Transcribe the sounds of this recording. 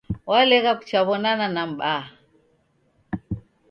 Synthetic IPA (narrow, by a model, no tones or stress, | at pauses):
walɛɣaku̥t͡ʃaβɔnananam̩ɓa